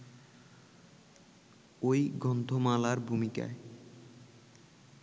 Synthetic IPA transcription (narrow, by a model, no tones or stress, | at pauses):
ojɡɔnd̪ʱomalaɾbʱumika̰e